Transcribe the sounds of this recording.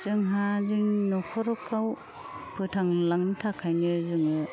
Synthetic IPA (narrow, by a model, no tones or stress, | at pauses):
zɯŋɦazɯŋnɔkʰɔɾɔkʰːaw | pʰɯtʰaŋlaŋnɯtʰakʰajnɯzɯŋɯ